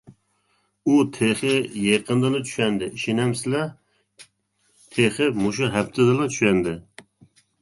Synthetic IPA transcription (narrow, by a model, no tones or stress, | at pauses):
ut̪ʰeχɪjeqʰənd̪ɨnɨt͡ʃ̪ʰy̥ʃɛnd̪ɪiʃinɛmsɪlɛ | t̪ʰeχɪmoʃ̬uɦæpt̪ʰɪd̪ɨlˠɨt͡ʃ̪ʰy̥ʃɛnd̪ɪ